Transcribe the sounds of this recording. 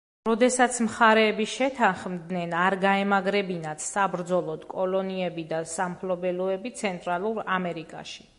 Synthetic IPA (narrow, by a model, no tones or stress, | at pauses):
ɾɔd̪ɛsat̪sʰmχaɾɛːbiʃɛt̪ʰanχmd̪nɛnaɾɡaɛmaɡɾɛbinat̪sabɾd̪zɔlˠɔd̪kʼɔlɔniɛbid̪asamχʰlɔbɛlɔɛbit̪sʰɛnt̪ʼɾalˠuɾamɛɾikʼa̰ʃi̥